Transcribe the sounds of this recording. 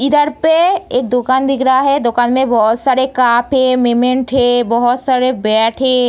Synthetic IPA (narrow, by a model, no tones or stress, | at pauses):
ɪd̪əɾpeeːk̚d̪okaːnd̪ʱɪkɾaɦɛd̪okaːnmẽbɔɦɔt̪saːɾekaːpʰẽmemẽɳʈɦɛbɔɦɔt̪saːɾebɛːʈʰẽ